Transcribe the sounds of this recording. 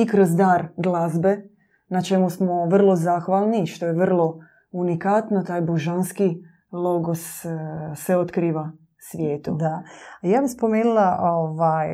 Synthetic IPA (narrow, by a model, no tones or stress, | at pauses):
ikɾozd̪aːɾɡlazbe̞ | nat͡ʃe̞musmoʋr̩lˠo̞zaːxʋaːlˠniʃt̪ojeʋər̩lˠo̞ | unikat̪not̪aːjboʒanski | lˠo̞ɡosseot̪kɾiːʋa | sʋjeːt̪ud̪ajaːbispomeːnulˠaʔoʋaj